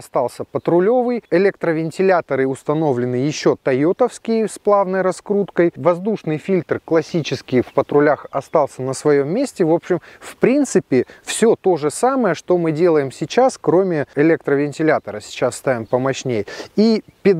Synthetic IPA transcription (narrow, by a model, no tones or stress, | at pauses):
ɐst̪alˠsʲəpət̪ɾʊlʲo̞vɨjɪlʲekt̪ɾəvʲɪnʲtʲɪlʲat̪əɾɨʊst̪ɐno̞vlʲɪnɨjɪɕːo̞t̪ɐjot̪əfskʲɪjsplˠavnəjɾɐskɾut̪kəjvɐzd̪uʂnɨjfʲilʲt̪rklˠɐsʲit͡ɕɪskʲɪjfpət̪ɾʊlʲaxɐst̪ɑlˠsʲənəsvɐjomːʲesʲtʲɪvo̞pɕɪmfpɾʲint̪sɨpʲɪfsʲo̞t̪o̞ʐɨsaməjəʂt̪o̞mɨdʲe̞lˠəjɪmsʲɪt͡ɕaskɾo̞mʲɪɪlʲek̚t̪ɾəvʲɪnʲtʲɪlʲat̪əɾəsʲɪ̥t͡ɕasst̪avʲɪmpəmɐɕnʲejipʲɪd̪